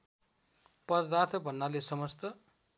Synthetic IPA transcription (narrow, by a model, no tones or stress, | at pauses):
pʌrd̪at̪ʰʌbʱʌnːalesʌmʌst̪ʌ